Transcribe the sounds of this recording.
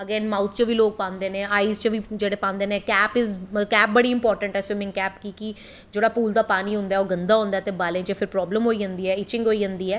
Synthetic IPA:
əɡeːnmaːut̪ʰt͡ʃəʋiːloːk̚pãːnd̪eːnẽːaːiːzt͡ʃəʋiːd͡ʒeːɽeːpãːnd̪eːnẽːkɛːpɪzkɛːp̚bəɽiːɪmpɔːɾʈəɳʈɛːseːmɪ̃ŋkɛːpkiːki | d͡ʒeːɽaːpuːld̪aːpaːniːɦʊ̃nd̪aːɛːoːɡənd̪aːɦʊ̃ːnd̪aːt̪eːbaːlẽːt͡ʃəpʰɪɾpɾɔːbləmɦoːiːd͡ʒãnd̪iːɛːɪt͡ʃɪ̃ŋɡɦoːiːd͡ʒə̃nd̪iːɛː

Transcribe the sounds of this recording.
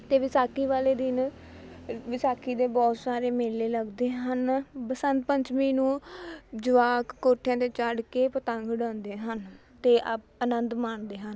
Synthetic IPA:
t̪eːʋɪsaːkiːʋaːleːd̪ɪn | ʋɪsaːkiːd̪eːbɔːt̪saːɾeːmeːlːeːləɡd̪eːɦənpəsənt̪̚pəɲt͡ʃmiːnũːd͡ʒʊʋaːkːoːʈʰːjãːd̪eːt͡ʃəɖkeːpət̪əŋɡɖãːnd̪eːɦən | t̪eːʔəp̚ənənd̪maːɳd̪eːɦən

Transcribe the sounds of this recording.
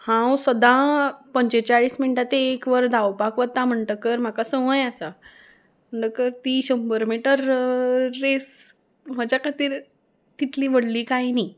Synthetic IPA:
hãwsəd̪ãpəɲt͡ɕet͡ɕaɭiːsminiʈat̪eːkʋəɾd̪ʱawpakʋət̪ːam̤əɳʈəkəɾm̤akasə̃ə̃jasa | m̤əɳʈəkəɾt̪iːɕəmbəɾmiʈəɾː | es | m̤əd͡ʑjakət̪iːɾ | t̪it̪liːʋəɽliːkajni

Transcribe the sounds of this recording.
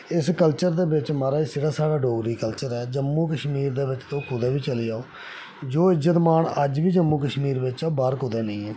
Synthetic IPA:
ɪskəlt͡ʃəɾd̪eːbɪt͡ʃmaːɾaːiːsɪɾaːsaːɽaːɖoːɡɾiːkəlt͡ʃəɾɛːd͡ʒəmːuːkəʃmiːɾd̪eːbɪt͡ʃt̪õːkʊd̪ɛːʋiːt͡ʃəliːaːoː | d͡ʒoːɪzət̪maːɳəd͡ʒʋiːd͡ʒəmːuːkəʃmiːɾʋɪt͡ʃabaːɾkʊd̪ɛːnẽĩːɛː

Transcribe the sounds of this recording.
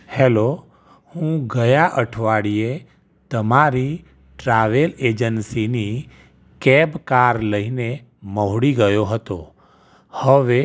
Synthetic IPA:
hɛlo | hũɡəjaʔəʈʰʋaɽie | t̪əmaɾi | ʈɾaːʋeleːd͡ʒənsini | kɛbkaːɾləine | məɦɽiɡəjoɦət̪o | həʋe

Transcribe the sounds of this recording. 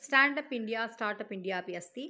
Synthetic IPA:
sʈaːɳɖɐpiɳɖijaːsʈaːɾʈɐpiɳɖijaːpiɐst̪i

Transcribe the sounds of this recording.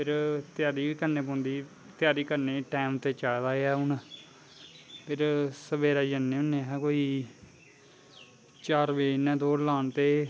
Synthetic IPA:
pʰɪɾt̪ɪjaːɾiːkəɾneːp̬ɔ̃ːnd̪iː | t̪ɪjaːɾiːkəɾneːʈɛːmt̪eːt͡ʃaːd̪aːeaːʊn | pʰɪɾsəbeːɾaːd͡ʒənːeːʊnːẽːɦkoːiː | t͡ʃaːɾʋeːnɛ̃ːt̪oːlaːnt̪eː

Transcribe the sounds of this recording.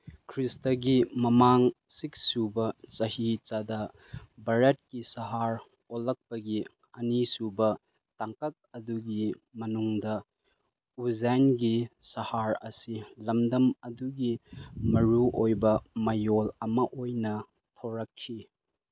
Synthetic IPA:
kʰɾistɐɡimɐmaŋsiksubɐt͡ʃɐhit͡ʃadɐ | bɐɾet̚kisɐɦaɾ | olːɐk̚pɐɡi | ɐnisubɐ | taŋkɐk̚ɐduɡimɐnuŋdɐ | uzajnɡisɐhaɾɐ̰silɐmdɐmɐduɡimɐɾuʔojbɐmɐjolɐmɐʔojnɐ | tʰoɾɐkʰːi

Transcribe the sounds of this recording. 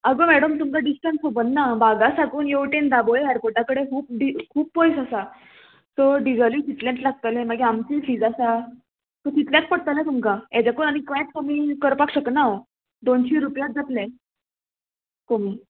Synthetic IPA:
əɡəmɛɽəmt̪umkaɖisʈɛ̃nsobənnabaɡasakuːnjeʋʈend̪aboɦɛɾpoʈakəɽekʰuːp̚ɖikʰuːpːojsasa | sɔɖiɡaliːsit̪lẽʈlaɡ̚t̪əlẽmaɡeamt͡ɕiːfiːd͡zasa | t̪əsit̪ljãt̪̚pəɽt̪alet̪umkaɛd͡ʑakonaɽ̃ikʋɛ̃t̪̚komiːkəɾpakɕəknao | d̪onɕiːɾupjat̪̚d͡zat̪lɛ̃ | komiː

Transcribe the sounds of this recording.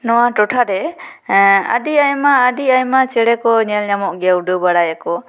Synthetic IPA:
nɔwaʈɔʈʰaɾɛ | a̰diajmaːɖiajmat͡ʃɛɽɛkɔɲɛlɲamɔʔɡɛwɖubaɽajakɔ

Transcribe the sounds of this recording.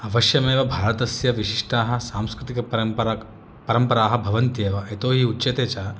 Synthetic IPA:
ɐʋɐʃjɐmeːʋɐbʱaːɾɐt̪ɐsjɐʋiʃiʂʈaːɦɐ̆saːmskɾɪt̪ikɐ | pɐɾɐmpɐɾaːɦɐbʱɐʋɐnt̪jeːʋɐet̪oːɦiutːt͡ʃɐt̪eːt͡ʃaː

